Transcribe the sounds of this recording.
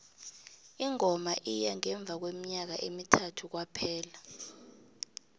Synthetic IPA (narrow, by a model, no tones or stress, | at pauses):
iŋɔmaʔijaŋɛɱb̪vʱak̬wemiɲak̬aʔemitʰatʰuk̬wapʰɛːla